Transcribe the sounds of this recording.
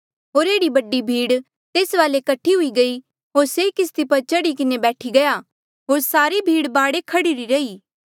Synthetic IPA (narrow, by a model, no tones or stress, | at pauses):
ɦoːɾeːɽibɐɖːibʱiːɽ | t̪eːsʋaːlekɐʈʰːiɦʊiɡɐi | ɦoːɾsekɪs̬t̪ipɐɾt͡ʃɐɽikɪnebɛːʈʰiɡɐja | ɦoːɾsaːɾibʱiːɽbaːɽekʰɐɽiɾiɾɐiː